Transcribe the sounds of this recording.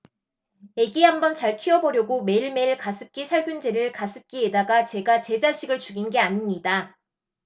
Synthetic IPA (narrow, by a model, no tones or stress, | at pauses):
e̞ɡihambʌnt͡ɕaɭkʰiʌbʌɾjʌɡome̞iɭme̞iɭkasʰɯp̚k͈isʰaɭɡund͡ʑeɾɯɭkas͈ʰɯp̚k͈iedaɡat͡ɕe̞ɡat͡ɕe̞d͡ʑaɕʰiɡɯɭt͡ɕuɡinɡe̞aɲimɲida